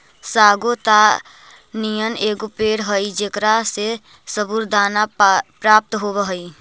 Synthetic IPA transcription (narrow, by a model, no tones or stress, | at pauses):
saːɡot̪a | nijəneːɡopeːɽɦəid͡ʒekɾase | səbuɾd̪aːnapɾaːp̚t̪ɦobəɦəi